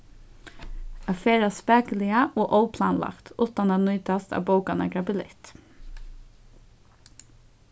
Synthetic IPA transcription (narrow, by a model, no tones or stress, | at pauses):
ɑfeːɹɑspæːkəlɪəʔoːʔoʊpʰlɑ̰ːnlʔɑ̰kt̪ʰuːt̪ɑnɑːnʏʏt̪ɑst̪ʰɑ̰ːʋboʊkɑnə̰ɡɾɑbɪlɪ̰t̪